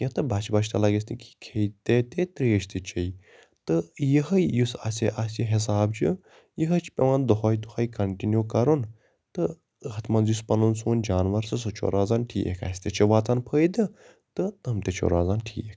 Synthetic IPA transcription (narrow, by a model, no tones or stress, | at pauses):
jɐ̃t̪ɨbʱat͡ʃbat͡ʃʰt̪ɐlaɡesʲt̪iki̥kʰejt̪et̪et̪ɾeːʃt̪ɨt͡ʃʰɐj | t̪ɨjəɦɐjjusɐ̰sʲeʔasiɦis̬aːbd͡ʒi | jəɦɐt͡ʃʰpʲeʋɐnd̪oɦojd̪uhɐːjkɐɳʈinjukɐɾun | t̪ɨ | ɦɐt̪ʰmɐnzjuspɐnunsuːnd͡ʒaːnʋɐɾsɨs̬ɐt͡ʃʰo̰ɾaːzaːnʈʰḭːʔḛkʰa̰sʲt̪et͡ʃʰɐʋaːt̪ɐnpʰəːjd̪ɨ | t̪ɨt̪ɐmt̪et͡ʃʰo̰ɾaːzaːnʈʰḭːekʰ